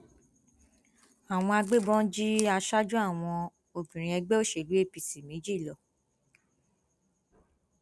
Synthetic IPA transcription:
a˨w̃ɔ̃˧a˧ɡ͡be˦bɔ̃˦d͡ʒi˦a˧ʃa˦d͡ʒu˦a˦˨w̃ɔ̃˧ | o˧bĩ˨ɾ̃ĩ˧ɛ˧ɡ͡bɛ˦o˦ʃe˨lu˦e˦˨pi˨si˨me˨˦d͡ʒi˦˨lɔ˨

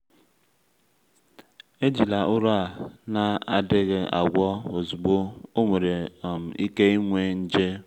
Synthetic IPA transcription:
e˦d͡ʒi˨la˨ʔʊ˦ɾa˨na˦a˨dɪ˦ɣɪ˨a̰˨ɡʷɔ˦o˨zu˨ɡ͡bo˦o˦me˨ɾe˨m̩˨i˦ke˦i˦ŋʷe˦n̩˦d͡ʒe˦

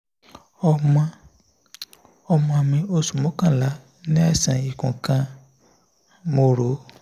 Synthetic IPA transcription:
ɔ˧m̃˧ | ɔ˧mɔ̃˧mĩ˧o˧su˨mõ˨˦kã˦˨la˨˦ | nĩ˦a˦˨sã˨i˨kũ˨kã˧ | mo˧ɾo˨˦

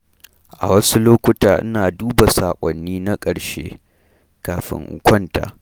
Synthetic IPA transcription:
ʔa̰˨wɐ˦su˦loː˦kʷʊ˦taː˨ʔɪ̰˦naː˨duː˦ba˨saː˨kʷʼɔ˨nːiː˦na˦kʼɐ˨ɽʃḛː˦ | kaː˨ɸɪ̰˦ŋʔʊ̰˨kʷɔ˦nta̰ː˨

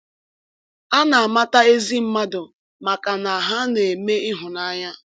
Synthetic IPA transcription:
a˦na˨a˨ma˦ta˦e˦zi˦m̩˦ma˦dʊ˨ | ma˨ka˨na˨a˨ɦa˦ne˨me˦ɪ˦ɦʊ˨na˦ɲa˦

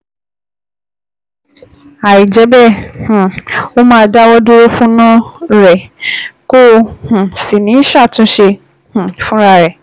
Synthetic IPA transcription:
a˨i˨d͡ʒɛ˨˦bɛ˦˨h̩˨o˦mãː˦˧da˦wɔ˦du˦ɾo˦fũ˦nã˦ɾɛ˨ko˦˧hũ˨si˨nĩ˨˦ʃa˦˨tũ˨˦ʃe˧ | h̩˨fũ˦ɾa˧ɾɛ˨

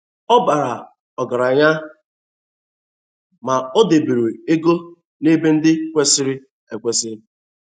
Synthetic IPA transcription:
ɔ˦ba˨ɾa˨ | ɔ˨ɡa˨ɾa˨ɲa˦ | ma˨o˦de˨be˨ɾe˨e˦ɡo˦ | ne˦be˦n̩˦dɪ˦kʷe˦sɪ˦ɾɪ˦ | e˨kʷe˦sɪ˦ɾɪ˦

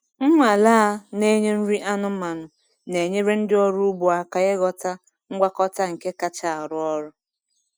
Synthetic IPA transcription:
ŋ̩˦ŋʷa˨laː˦ne˦ɲe˦n̩˦ɾi˦ʔa˦nʊ˦ma˨nʊ˨ | ne˨ɲe˦ɾe˦n̩˦dɪ˦ɔ˦ɾu˦u˦bu˨a˨ka˨ɣe˦ɡɔ˨ta˦ | ŋ̩˦ɡʷa˦kɔ˦ta˦ŋ̩˨ke˦ka˦t͡ʃa˨a˨ɾʊ˦ɔ˦ɾʊ˦

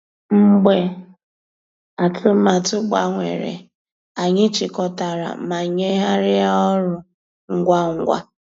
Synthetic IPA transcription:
ŋ͡m̩˦ɡ͡be˦ | a˨tʰʊ˦ma˨tʊ˦k͡pa̰˨ŋʷḛ˨ɾḛ˨ | a˨ɲɪ˦t͡ʃɪ˨kɔ˨ta˨ɾa̰˨˦ma˨ɲe˦ɦa˦ɾɪ˦a˦ɔ˦ɾʊ˨ | ŋ̩˦ɡʷa˦ŋ̩˦ɡʷa̰˦

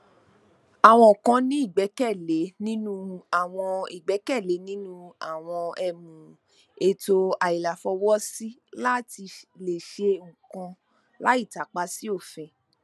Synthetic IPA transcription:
a˨w̃ɔ̃˧o˨kã˧nĩ˨˦i˦˨ɡ͡bɛ˨˦kɛ˦˨le˨˦nĩ˦nũ˦a˨w̃ɔ̃˧i˨ɡ͡bɛ˨˦kɛ˦˨le˨˦nĩ˦nũ˦a˦˨w̃ɔ̃˧ɛ˧mũ˨ | e˧to˧a˨i˨la˨fɔ˧wɔ˦si˦la˦ti˧le˨ʃe˧ũ˨kã˧ | la˦i˦˨ta˨˦k͡pa˦si˦o˦˨fɛ̃˧

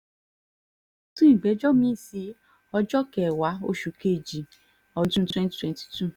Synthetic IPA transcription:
tũ˦ĩ˦˨ɡ͡bɛ˨˦d͡ʒɔ˦mĩ˦˨si˧ | ɔ˧d͡ʒɔ˦kɛ˨wa˨˦o̰˦ʃu˨ke˦˨d͡ʒi˨ | ɔ˨˦tũ˦twɛ̃˦n˨twɛ̃˨nti̥˨tu˦˨

